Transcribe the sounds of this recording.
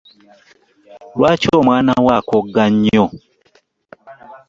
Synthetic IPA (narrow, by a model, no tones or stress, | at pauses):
lwat͡ʃɔmwanawakɔɡaɲɔ